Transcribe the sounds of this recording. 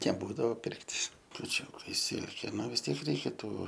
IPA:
nʲɛˈbuːdɐʋoː ˈpʲɪrktʲ kʊˈt͡ʃʲuːkɐɪ ˈsʲɪlʲkʲeː ˈnʊ ʋʲɪs ˈtʲiɛk rʲɛɪˈkʲɛ ˈtuː

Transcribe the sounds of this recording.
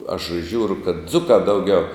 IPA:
ɐʃ ˈʒʲuːrʊ kɐt ˈd͡zʊkɑː ˈdɐʊˌɡʲɛʊ

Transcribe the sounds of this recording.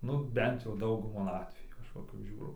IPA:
nʊ ˈbʲɛnt jɛʊ ˈdɐʊɡʊmɐ ˈɑːtʲʋʲɛjuː ˈɐʃ ʋɐ kɐp ˈʒʲuːrɐʊ

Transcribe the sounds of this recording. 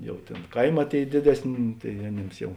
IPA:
ˈjɛʊ ˈtʲeːn ˈkɐɪˌmɑː ˈtʲeːɪ ˈdʲeːdʲɛsʲˌnʲeː tɐɪ ɐˈnʲeːms ˈjɛʊ

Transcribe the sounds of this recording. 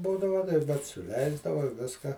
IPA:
ˈbuːdɐʋɐ bʲɛt sʊˈlʲɛɪzdɐʋɐ ˈʋʲɪskɐ

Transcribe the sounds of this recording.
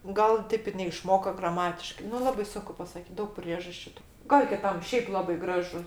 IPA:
ˈɡɐlˠ ˈtʲeːp ɪr nʲɛɪʃˈmoːkoː ɡrɐˈmɑːtʲɪʃkɐɪ nʊ ˈlˠɑːbɐɪ ˈsʊŋkʊ pɐsɐˈkʲiːt ˈdɐʊk ˈpʲrʲiɛʒɐsʲt͡ʃʲʊ tʊ ˈɡɐlˠ kʲɪˈtɐm ˈʃʲɛɪp ˈlˠɑːbɐɪ ˈɡrɑːʒʊ

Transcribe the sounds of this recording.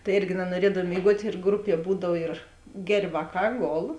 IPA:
tɐɪ ˈɪrʲɡʲɪ nɐnuɔˈrʲiɛdɐw mʲeːɪˈɡuɔtʲ ɪr ˈɡrʊˌpʲiɛ ˈbuːdɐw ɪr ˈɡʲɛrʲ ˈʋɑːˌkɑː ˈɡoːlˠ

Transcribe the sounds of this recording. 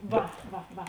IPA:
ˈʋɐ ˈʋɐ ˈʋɐ

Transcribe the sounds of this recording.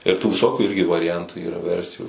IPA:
ɪr tuː ʋʲɪˈsoːkʲuː ˈɪrʲɡʲɪ ʋɐrʲɪˈjɛntʊ ˈiːrɐ ˈʋʲɛrʲsʲɪjuː

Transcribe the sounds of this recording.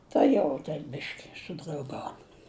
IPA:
ˈtɐ jɛʊ tʲɛn ˈbʲɪʃʲkʲɪ sʊdrɐʊˈɡɐʊn

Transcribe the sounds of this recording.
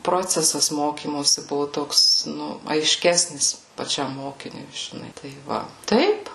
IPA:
ˈproːt͡sʲɛsɐs ˈmoːkʲiːmoːsʲɪ ˈbʊʋʊ ˈtoːks ˈnʊ ɐɪˈʃʲkʲæːsʲnʲɪs pɐˈt͡ʃʲɛm ˈmoːkʲɪnʲʊɪ ʒʲɪˈnɐɪ tɐɪ ˈʋɐ ˈtɐɪp

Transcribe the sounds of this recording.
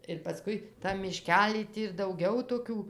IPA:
ɪr pɐˈskʊɪ ˈtɐm mʲɪˈʃʲkʲæːlʲiː ˈtʲiː ɪr dɐʊˈɡɐʊ toːˈkʲuː

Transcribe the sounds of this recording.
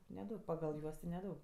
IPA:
nʲɛˈdɐʊk pɐɡɐlˠ ˈjuɔs tʲɪ nʲɛˈdɐʊk

